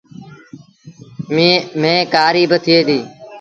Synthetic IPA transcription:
mːmẽːkaːɾiːbət̪ʰɪeːd̪iː

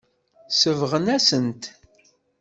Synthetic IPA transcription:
səvʁənæsənt̪

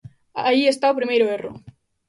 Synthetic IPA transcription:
aʎiest̪aopɾimejɾoero̰

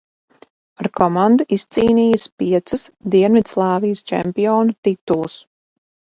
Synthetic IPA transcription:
aɾkɔmand̪uʔist̪siːniːjəspiɛt̪susd̪iɛnvid̪slˠɑːvijst͡ʃɛ̰mpijɔːnut̪it̪ulˠus

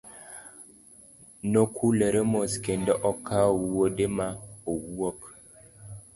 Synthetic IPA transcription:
nokʰuleɾemoskendeʔɔkʰːawuwodemaowuwɔk

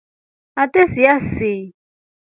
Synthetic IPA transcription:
atʼesijasɪ

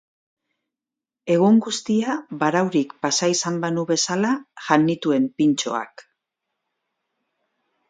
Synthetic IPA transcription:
e̞ɣ̞uŋɡust̪iaβaɾawɾikpasaisambanuβe̞salaʝanːit̪ue̞mpint͡ʃo̞̰a̰k

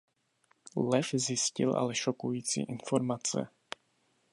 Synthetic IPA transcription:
lɛfzjɪscɪ̰lʔa̰lɛʃokujiːt͡sḭːʔɪnfoɾmat͡sɛ̰

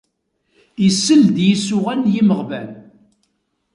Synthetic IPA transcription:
isːəld̪jisʊʁænjiməʁvæl

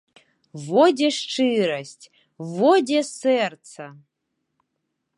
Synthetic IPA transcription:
vodʲeʂʈ͡ʂɨɾɐsʲtʲ | vodʲesɛrt͡sʰɐ

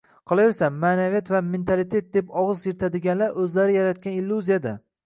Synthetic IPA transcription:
qʰɑlˠaveɾsamːaːnavijat̪vame̞nt̪ʰalɪt̪ʰe̞t̪̚d̪epɒʁɨzjɪɾt̪ʰad̪ɪɡʲanlaɾʔɵzlaɾɪjaɾat̪̚kʲanɪlːuzijad̪a

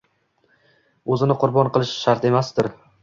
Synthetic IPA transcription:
ɵzɪnɪqʰʊɾbɒnqʰɨlˠɪʃʃaɾt̪e̞masd̪ɪɾ

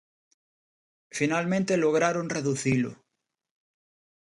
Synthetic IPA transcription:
finalmẽnt̪eloɣ̞ɾaɾonreðuθilo̰

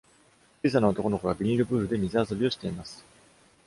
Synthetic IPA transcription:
t͡ɕiːs̬anaot̪o̞ko̞no̞ko̞ɡabʲiɾʲiɾɯ̟bɯ̟ːɾɯ̟d̪e̞mʲizɨas̬o̞bʲio̞ɕi̥t̪e̞imasɨ̥

